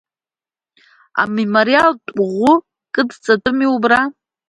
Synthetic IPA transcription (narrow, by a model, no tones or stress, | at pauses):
a̰memoɾialtʼʷʁʷʊ | kʼɨdt͡sʼatʼɨmiubra